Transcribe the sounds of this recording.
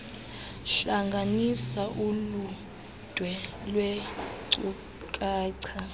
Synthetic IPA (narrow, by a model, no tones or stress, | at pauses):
ɬaŋɡʱanisaʔulu | d̥ʱwɛlwɛǀu | kʼaːǀʰa